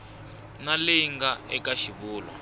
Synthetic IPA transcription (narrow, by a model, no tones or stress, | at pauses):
naliŋɡaɛkaʃiβuːlwa̰